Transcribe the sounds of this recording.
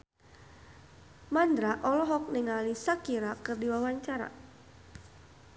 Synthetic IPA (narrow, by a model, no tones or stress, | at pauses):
mand̪ɾaʔɔlɔɦɔk̚niŋalisakiɾakərdiwawaɲt͡ʃaɾa̰